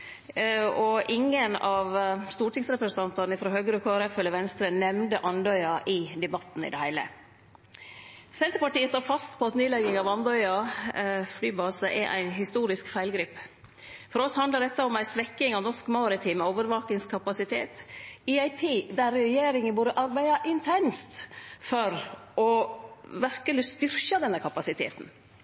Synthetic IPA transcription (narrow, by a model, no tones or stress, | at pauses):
ɔʔɪŋːənɑʋst̪uːʈɪŋsɾɛpɾəsnt̪ɑnt̪ɑnəɪfɾoːɦøːɡəɾəkʰoːɛɾɛfœlːəʋɛnst̪ɾənɛmnd̪əʔɑnd̪œʏɑʔɪd̪ɛbɑt̪ːn̩ɪ̰d̪ɛhæɪlə̰ | sɛnt̪ɾəpɑʈiːəst̪oːɾfɑst̪pʰɔɑt̪neːlɛɡɪŋɑʋɑnd̪œʏɑ | flyːbɑːsəʔɛ̰ɾʔæ̰ɪnhɪst̪uːɾɪskfæɪlɡɾiːp | fɔɾɔshɑnd̪ləd̪ɛt̪ːəɔmːæɪsʋɛkːɪŋɔnɔʂkmɑːɾɪt̪ʰɪmɛoːʋəɾʋɑːk̪ɪŋskʰɑpɑsɪt̪ʰḛːt̪ɪæɪt̪ʰiːd̪æɾːɛɛjeːɾɪŋənbuːɾəʔɑɾbæɪɑʔɪnt̪ʰɛnst̪fɔɾɔʋæɾkəlɪst̪ʏɾçɑd̪ɛnːəkʰɑpɑsɪt̪ʰḛːt̪n̩